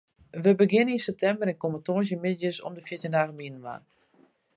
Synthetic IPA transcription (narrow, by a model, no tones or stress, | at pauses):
ʋəbəɡɪnəninsɛp̚tʰɛmbəɾɪnkomatoːzjəmɪdəjəsɔ̰mdəfjɪtjəndaːɣəminənʋa̰n